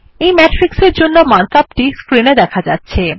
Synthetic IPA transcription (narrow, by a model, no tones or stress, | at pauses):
ejmɛʈɾikseɾd͡ʑonːomant̪ap̚ʈiskɾined̪ɛkʰad͡ʑatːɕʰe